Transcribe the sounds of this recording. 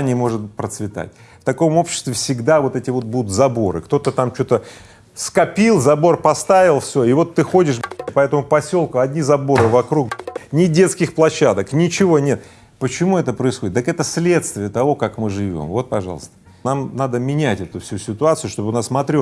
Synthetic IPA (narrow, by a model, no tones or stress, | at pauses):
nʲɪmo̞ʐɨt̪pɾət̪svʲɪt̪a̰t̚ʲ | ft̪ɐko̞mo̞pɕːɪ̥st̪vʲɪfsʲɪɡd̪avo̞t̪ɛtʲɪvo̞t̪̚bud̪ʊt̪zɐbo̞ɾɨ̰kt̪o̞t̪ət̪amt͡ɕo̞t̪ə | skɐpʲilˠzɐbo̞rpɐst̪avʲɪlˠfsʲo̞ɪvo̞t̪ːɨxo̞dʲɪʂpɐɛt̪əmʊpɐsʲo̞lˠkʊɐdʲnʲizɐbo̞ɾɨvɐkɾuknʲɪdʲe̞t̪skʲɪxplˠɐɕːad̪əknʲɪt͡ɕɪvo̞nʲe̞t̪ | pət͡ɕɪmuɛt̪əpɾəɪsxo̞dʲɪt̪əkɛt̪əsʲlʲet̪st̪vʲɪət̪ɐvo̞kakmɨʐɨvʲo̞̰mvo̞t̪̚pɐ̰ʐɑ̰lˠə̰st̪ə | namnad̪əmʲɪnʲætʲɛt̪ʊfsʲusʲɪt̪ʊat̪sɨʊʂt̪o̞bɨnasmɐt̪ɾʲo